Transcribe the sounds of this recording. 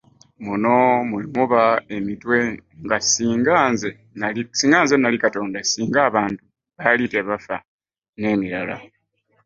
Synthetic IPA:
muno̞muimuβae̞mitwe̞ŋɡasiːŋɡaːnze | naisiːŋɡaːnzenalikato̞ːndasiːŋɡaːβaːntu | βalite̞βafa̰ | ne̞ːmiɾala̰

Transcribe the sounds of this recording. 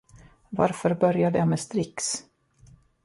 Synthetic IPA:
va̰ɾfœɾbœɾjad̪əjamɛst̪ɾɪks

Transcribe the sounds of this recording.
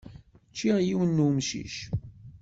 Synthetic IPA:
t͡ʃːiʁjiwənːumʃḭʃ

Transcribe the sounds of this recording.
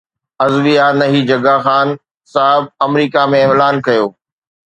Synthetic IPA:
ɐzʋijanɐɦid͡ʑɐɡaxaːn | saːɦɪb̚ɐmɾiːkamẽɪlaːnkɐjoː

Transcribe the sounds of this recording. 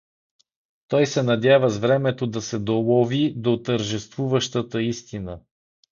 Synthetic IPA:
t̪ɔjsɛnɐd̪ʲjavəzvɾɛmɛt̪od̪ɐsɛd̪olˠɔvid̪ot̪əɾʒɛst̪vuvəʃt̪ət̪əist̪inə

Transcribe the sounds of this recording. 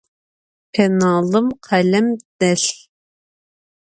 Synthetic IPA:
pʰɛnɑːlˠɨmqʰælɛmd̪̥ɛɬ

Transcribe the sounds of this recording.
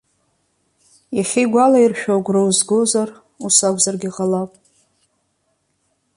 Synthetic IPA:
jaχʲiɡʷalairʃᶣoɡʷrowzɡozar | usakʷzarɡʲiqʼalapʼ

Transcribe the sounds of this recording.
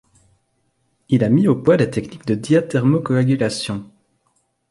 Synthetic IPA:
ilamiopwad̪et̪ɛknikd̪əd̪jat̪ɛʁmokɔaɡʲylasjɔ̃

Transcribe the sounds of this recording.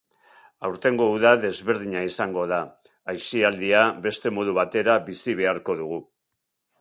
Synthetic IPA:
awɾt̪e̞ŋɡo̞uðaðe̞zβe̞ɾð̞iɲaisaŋɡo̞ðaː | jsiald̪iaβe̞st̪e̞mo̞ðuβat̪e̞ɾaβisiβ̞e̞aɾko̞ðuɣ̞u

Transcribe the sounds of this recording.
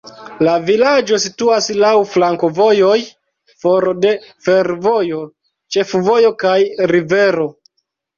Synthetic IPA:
lavilad͡ʒo̞situaslawflaŋko̞vo̞jo̞j | fo̞ɾo̞de̞fe̞ɾvo̞jo̞ | t͡ʃe̞fvo̞jo̞kajɾive̞ɾo̞

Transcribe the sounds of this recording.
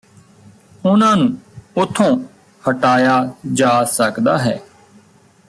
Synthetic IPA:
ʊnãːnũːʊt̪ʰːõː | həʈaːjaːd͡ʒaːsəkd̪aːɦɛː

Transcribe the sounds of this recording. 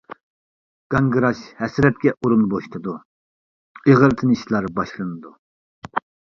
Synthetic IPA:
ɡ̥ɑŋɡɨɾɑʃhɛsɾɛt̪̚kʲɛʔuɾunboʃt̪ʰɨd̪u | eʁəɾt̪ʰɨnɨʃlˠɑɾbɑʃlˠɨnɨd̪u

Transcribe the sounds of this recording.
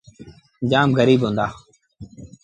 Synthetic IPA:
nd͡ʒaːmɣəɾiːbɦõːnd̪aː

